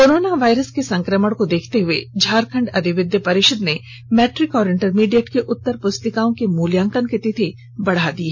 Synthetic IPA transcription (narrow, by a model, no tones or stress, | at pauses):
koːɾoːnaʋaːɪɾəskesɐ̃ŋkɾəməɽkod̪eːkʰt̪eɦʊed͡ʒʱaːɾkʰə̃ɳɖɐd̪ʱɪʋɪd̪jəpɐɾɪʃəd̪ne | mɛːʈɾɪkɔːɾɪ̃ɳʈəɾmiːɖijeʈkeʔʊt̪ːəɾpʊst̪ɪkaːõkemuːljãːŋkənket̪et̪ʰe | bɐɽ̤ad̪i